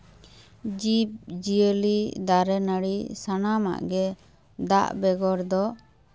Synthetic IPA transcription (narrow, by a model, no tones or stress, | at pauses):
d͡ʒip̚d͡ʒiəlid̪aɾɛnəɽisanama̰ʔɡɛ | d̪a̰ʔbɛɡɔɾd̪ɔ